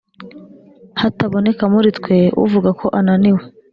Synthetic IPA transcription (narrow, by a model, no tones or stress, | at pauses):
hataβo̞ne̞kamuɾitkwe̞ṵvuɡakʰo̞ʔananiwe